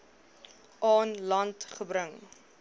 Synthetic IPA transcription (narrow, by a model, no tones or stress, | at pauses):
ʔɑːnlɐntχəbɾəŋ